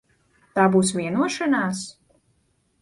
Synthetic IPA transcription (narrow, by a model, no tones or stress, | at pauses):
t̪aːbuːsvʲiɛnuɔʃanaːs